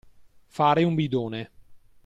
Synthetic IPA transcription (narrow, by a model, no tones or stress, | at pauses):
faːɾeumbid̪oːne